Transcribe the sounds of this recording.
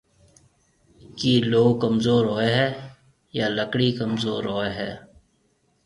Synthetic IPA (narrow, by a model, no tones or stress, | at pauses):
kiːloːɡkəmzoːɾɦoːeɦɛː | jaːləkɽikəmzoːɾɦoːeɦɛː